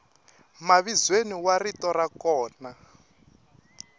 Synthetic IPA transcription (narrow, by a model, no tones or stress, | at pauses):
maβizweniwaritɔɾakɔːna